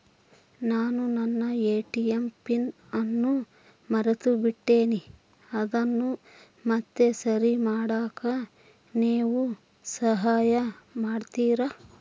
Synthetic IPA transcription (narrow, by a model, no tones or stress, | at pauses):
naːnunɐnːɐeːʈijempin | ɐnːu | mɐɾɐt̪ubiʈːeːni | ɐd̪ɐnːu | mɐt̪ːesɐɾimaːɽaːkɐ | niːʋu | sɐɦaːjɐmaːɖt̪iːɾa